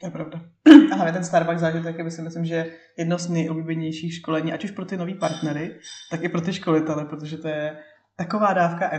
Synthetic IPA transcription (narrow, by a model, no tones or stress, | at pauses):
t̪ojɛpɾavdaaɦlavɲɛt̪ɛnst̪aɾbaɡzaːʒɪt̪ɛkabɪsɪmɪslɪmʒɛjɛ | jɛdnoznɛjʔobliːbɛɲɛjʃiːxʃko̞lɛɲiːʔacuʃpɾo̞t̪ɪno̞viːpaɾt̪nɛɾɪt̪akɪpɾo̞t̪ɪʃko̞lɪt̪ɛlɛpɾot̪oʒɛt̪o̞jɛ | t̪ako̞vaːdaːfkaʔɛ